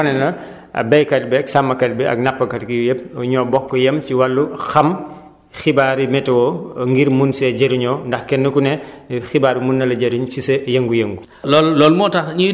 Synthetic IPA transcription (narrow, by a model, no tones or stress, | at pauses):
ɐnɛnɐ | ɐ̰bɛjkɐlbɛksamːɐkɐlbɛɐ̰k̚napːɐkɐtɡijujep̚uɲɔːbɔkːɔjɐmt͡ʃiwɐlːuxɐm | xibaːɾimɛtɐwɔŋɡiɾmunsɛɟeɾuɲɔndɐxkɛnːɐkunɛxibaːɾimunːɐlɐɟɐɾuɲsisɐjɐŋɡujɐŋɡu | lɔllɔːlmɔtɐxɲu